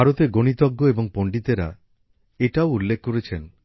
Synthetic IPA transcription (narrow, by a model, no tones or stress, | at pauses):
bʱaɾot̪eɡoɽ̃it̪ɔɡːoebɔŋpoɳɖit̪eɾa | eʈaoulːekʰkoɾet͡ʃʰen